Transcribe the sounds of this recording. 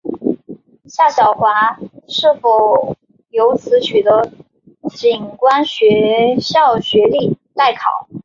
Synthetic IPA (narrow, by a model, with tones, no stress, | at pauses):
ɕja˥˩ɕjɑ˨˩ʊxwa˧˥ʂɻ̩˥˩fo˨˩ʊ | jo˧˥ʊt͡sʰɹ̩˧˥t͡ɕʰy˨˩d̪ə˧˦ | t͡ɕi˨˩nkwa˥nɕɥɛ˧˥ɕjɑ˥˩ʊɕɥɛ˧˥li˥˩ | la˥˩ɪkʰɑ̰˨˩˦ʊ